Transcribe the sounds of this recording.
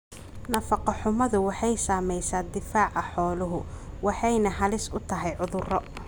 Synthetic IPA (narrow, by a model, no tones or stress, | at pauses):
nɐfɑqɑħʊmɐðʊwɑħɑjsaːmɛjsaːd̪ɪfaːʕɑħɔːlʊɦʊ | wɑħɑjnɐɦɐlɪsʊt̪ʰɐɦɛjʕʊðʊrɔ